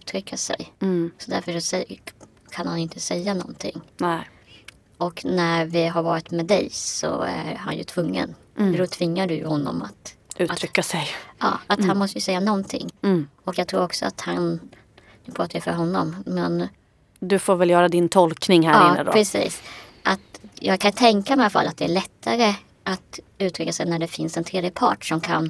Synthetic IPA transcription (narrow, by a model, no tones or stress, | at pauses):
ʉt̪ʰɾʏkːasɛ̰jsɔd̪æɾfœʂɔsɛ | kʰanhanɪnt̪ʰəsɛjːanɔ̰nt̪ʰɪ̰ŋː | ɔknæɾvɪɦaɾvɑːɾɪt̪mɛːd̪ɛjsɔ̰æ̰ɾha̰njɵ̰t̪ʰvɵŋːə̰n | d̪ɔt̪ʰvɪŋːaɖɵjɵ̰hɔnːɔ̰mat̪ʔʉ̟ːtat̪ʰɾʏkːasɛjʔɑ̰ːat̪hanmɔst̪əjəsɛjːanɔnt̪ʰɪ̰ŋːɔkjɑːɡ̚t̪ʰɾuːɾɔksɔa̰t̪han | d̪̥ɵpʰɾɑːt̪ʰːajəfœ̰ɾɦɔnːɔmmɛn | d̪ɵfoːɾvɛljœːɾad̪ɪnt̪ʰɔlknɪŋhæɾɪnːə̰d̪ɔ̰pɾɛsḭːsʔat̪jɑːɡ̚kʰanj̪t̪ʰɛŋkamɛalafa̰lːat̪̚d̪ɛæɭɛt̪ːaɾə | ʔat̪ | ʉ̟ːt̪ʰɾʏkːasɛjnæɖɛfɪnsɛnt̪ʰɾeːd̪jəpʰɑ̰ːʈʂɔmkʰa̰n